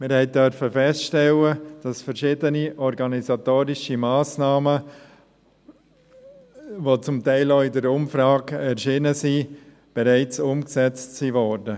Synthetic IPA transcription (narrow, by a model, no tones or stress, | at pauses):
mɪɾhɛɪt̚dœɾfəfɛstʃtɛləd̥ɑsfəɾʃɪdəniʔɔɾɡɑnizat̪oːɾɪʃimaːsnaːmə | vot͡sʊmtaɪloːɪdəɾʊmfɾɑːɡɛɾʃiːnəsi | b̥ɛɾaɪt͡sʊmksɛt͡stsiːvɔɾdə